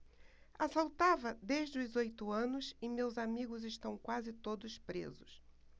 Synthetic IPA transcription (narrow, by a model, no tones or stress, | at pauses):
asawt̪avɐd̪eʒd͡ʒɪʊzojt̪ʊɐ̃nʊsɪmewzamiɡʊzɪʃt̪ɐ̃w̃kwazɪt̪od̪ʊspɾḛzʊs